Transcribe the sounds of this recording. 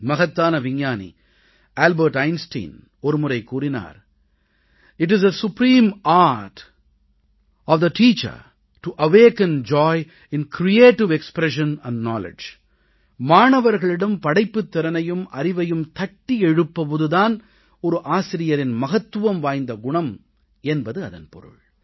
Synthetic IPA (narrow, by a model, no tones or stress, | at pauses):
mɐɣɐt̪ːaːnɐʋɪɲjaːnḭ | aːlbɐɾʈɐɪnsʈḭːn | ɔɾɯmʊɾɐɪkuːɾɪna̰ːɾ | ɪʈɪzɐsʊpɾiːmaːɾʈ | ɔʋd̪ɐʈiːt͡ʃɐ̰ɾ | ʈuʔɐʋeːkɐ̃nd͡ʒɔːɪ | ɪ̃nkɾieːʈɪʋɛkspɾɛʂɐ̃nɐ̃ɳɖnɔːlɪ̰d͡ʒ | maːɳɐʋɐɾɣɐɭɪɽɐmpɐɽɐɪpːɯt̪ːɪɾɐnɐjɯmʔɐɾɪʋɐjɯmt̪ɐʈːiɛɻɯpːɐpɔðɯðaːn | ɔɾɯʔaːsɪɾɪjɐɾɪnmɐɣɐt̪ːɯʋɐmʋaːjnd̪ɐɡʊɳɐm | ɛnbɐðɯɐðɐ̰npɔ̰ɾɯ̰ɭ